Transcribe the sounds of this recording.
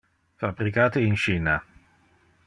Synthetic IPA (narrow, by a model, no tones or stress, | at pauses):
fabːɾikaːt̪eint͡ʃiːna